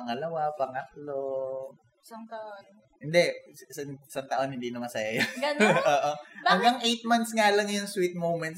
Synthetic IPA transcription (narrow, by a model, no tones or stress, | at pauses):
ɐŋɐlɐwapɐŋɐk̚lo | saŋt̪ɐʔo | hɪnd̪ɛɪsɐŋɪsaŋt̪ɐʔo̞nhɪnd̪iːnɐmɐsɐjajaɡɐnʔoːʔobɐŋɡɐŋʔejt̪̚mɐnt̪sŋalɐŋjʊŋswit̪̚mowmɛnt̪s